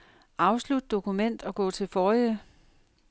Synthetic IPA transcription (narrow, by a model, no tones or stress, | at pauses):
ʔɑ̈ʊslud̥əd̥o̝kʰumen̰d̥ɒ̽ɡ̥ɔ̰̽ːt͡sʰe̝lfɒːiə